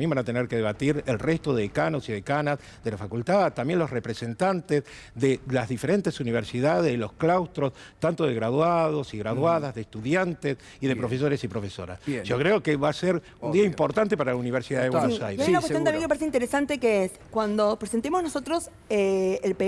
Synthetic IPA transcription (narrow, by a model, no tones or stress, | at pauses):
jembanat̪eneɾkeðeβat̪iɾelrest̪oðekanosiðekanaz | ðelafakult̪aðt̪ambje̞nlo̞srepɾese̞nt̪ant̪ez | ðelazðifeɾe̞nt̪e̞suniβ̞eɾsiðaðezðelo̞sklawst̪ɾo̞s | t̪ant̪oðeɣɾaðwaðo̞siɣɾaðwaðazðeːst̪uðjant̪es | iðepɾofeso̞ɾesipɾofe̞so̞̰ɾa̰sʒ̥okɾeokeβaseɾ | uund̪iaimpo̞ɾt̪ant̪epaɾalauniβ̞eɾsiðaðewansajajunakwesjonamjeŋkempaɾes̬eint̪eɾesant̪ekeeskwand̪opɾesent̪emoznosot̪ɾos | eːlpe